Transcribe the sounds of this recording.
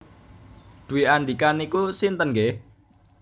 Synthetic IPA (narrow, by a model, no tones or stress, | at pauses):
d̪̥uwianɖ̪ikanikusint̪ənɡe